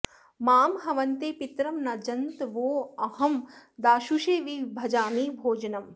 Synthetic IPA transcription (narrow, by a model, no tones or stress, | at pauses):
maːmɦɐʋɐnt̪eːpit̪ɾɐmnɐd͡ʒɐnt̪ʋoːɐhɐmd̪aːʃuʃeːʋibʱɐd͡ʒaːmiːbʱoːd͡ʒɐnɐm